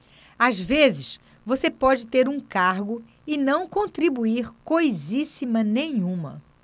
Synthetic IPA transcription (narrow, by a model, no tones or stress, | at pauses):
azvezɪʃ | vosepɔd͡ʒɪt̪eɾũkaɾɡʊ | ɪnɐ̃w̃kõnt̪ɾibuiɾkojzisimɐnẽɲ̃ũmɐ̰